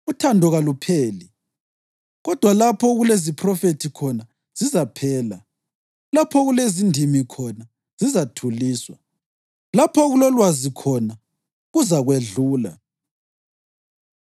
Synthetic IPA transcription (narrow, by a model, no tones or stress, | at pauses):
utʰandʱɔɣalupʰeːli | ɣɔd̥ʱwalapʰɔɣulezipʰrɔfetʰikʰɔna | z̥izapʰɛːla̰ | lapʰɔɣulezindʱimikʰɔna | z̥izatʰuliːswa̰ | lapʰɔɣulɔlwazikʰɔna | ɣuzaɣweɮuːla̰